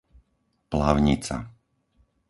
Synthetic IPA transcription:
plaʊɲit͡sa̰

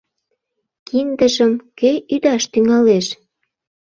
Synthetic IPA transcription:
kind̪əʒəmkøyd̪ɑʃt̪yŋɑleʃ

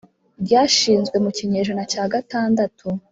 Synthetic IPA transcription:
bɟaːʃiːnzɡwe̞muciɲe̞ːʒonacaːɡataːndatʰu

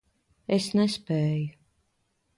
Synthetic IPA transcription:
esnɛspɛːju

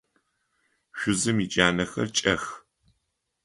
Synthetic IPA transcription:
ʃʷʊzɨmit͡ʃʼaːnɐxɐ̰rt͡ʃʼɐx

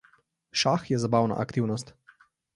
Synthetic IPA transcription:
ʃaxjɛzabaːwna̰ʔakt̪iwnɔst̪

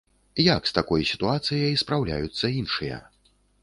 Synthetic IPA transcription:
jakst̪akɔjsʲit̪uat̪sɨjɐjspɾawlʲa̰jut̪sːɐinʂɨjɐ̰

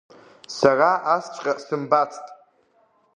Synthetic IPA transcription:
saraast͡ʃʷʼqʲʼasɨmbat͡sʰʼtʼ

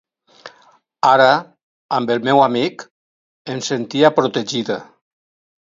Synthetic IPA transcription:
aɾa | ambelmɛwamik | ensent̪iapɾot̪eʒiða

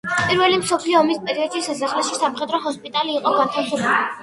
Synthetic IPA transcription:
pʼiɾvɛlimsɔpʰliɔːmispʼɛɾiɔd̪ʃisas̬aχlɛʃisamχɛd̪ɾɔɦɔspʼit̪ʼaliːqʼɔɡaɾt̪ʰamsɔpʰɛli

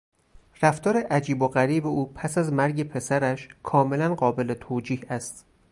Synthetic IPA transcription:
ræft̪ɒːɾeʔæd͡ʒiːboɣæɾiːbeʔuːpʰæsæzmæɾɟe̞pʰe̞sæɾæʃkʰɒːme̞lænɢɒːbe̞let̪ʰoːd͡ʒiːhæst̪

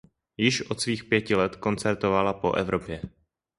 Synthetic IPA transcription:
jɪʃʔo̞t̪sviːxpjɛcɪlɛt̪ko̞nt͡sɛɾt̪ovalapo̞̰ʔɛ̰vɾopjɛ

